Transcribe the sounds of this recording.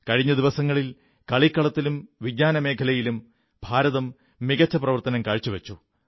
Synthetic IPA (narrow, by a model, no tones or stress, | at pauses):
kɐɻiɲːɐd̪iʋɐsɐŋːɐɭil | kɐɭikːɐɭɐt̪ːilumʋiɡɲaːnɐme̞ːkʰɐlɐjilum | bʱaːɾɐðɐmː | iɣɐt͡ɕːɐprɐʋɐrt̪ɐnɐmkɐɻt͡ɕːuʋet͡ɕːu